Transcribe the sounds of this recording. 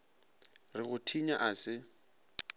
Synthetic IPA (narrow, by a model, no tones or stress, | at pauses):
rɪɣʊtʰiɲaʔasɪ